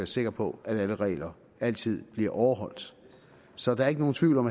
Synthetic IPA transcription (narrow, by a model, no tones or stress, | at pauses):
æɐse̝ɡ̥ɐpʰɒ̽æɾ̥æləʁɛ̰ːlɐ | æl̰t͡sʰið̰ˠb̥liɐʔɒʊɐɦɒ̽l̰d̥ | sɒ̽d̥ɑ̈ɐe̝ɡ̥əno̝ːn̩t͡sʰʋiʊlɒ̽mæ